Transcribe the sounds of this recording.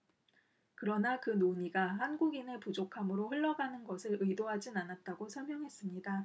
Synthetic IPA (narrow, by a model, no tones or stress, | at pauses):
kɯɾʌnakɯnoɲiɡahanɡuɡine̞pud͡ʑokʰamɯɾoɸɯɭːʌɡanɯnɡʌsʰɯɾɯidoɦad͡ʑinanat̚t͈aɡosʰʌɭmjʌŋɦe̞s͈ɯmɲida